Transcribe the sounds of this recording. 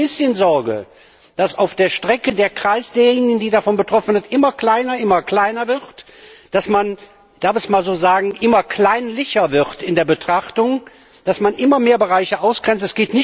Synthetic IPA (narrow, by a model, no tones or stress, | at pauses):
ɪsçənzɔɐɡə̰ | d̥asaʊfd̥eːɐʃtʁ̥ɛkədeːɐkʁ̥aɪsd̥eːɐjːeːnɪɡn̩diːdafɔnbətʁ̥ɔfn̩zɪɐtʔɪmɐkl̥aɪnɐʔɪmɐkl̥aɪnɐvɪʁt | d̥asman | d̥aɐfɛçsmaːlzoːzaːɡŋ̩ʔɪmɐkʰl̥aɪnlɪçɐvɪʁtɪndeːɐbətʁ̥aχtʊŋ | d̥asmanʔɪmɐmeːɐbəʁaɪçəʔaʊsɡ̥ʁɛnt͡stɛsɡ̥eːtnɪç